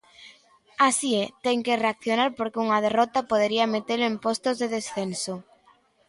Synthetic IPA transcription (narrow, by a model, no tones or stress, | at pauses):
asiɛt̪ɛŋkereak̚θjonaɾpoɾkeuŋɐð̞erɔt̪apoð̞eɾiamet̪elempost̪ozðeðesθenso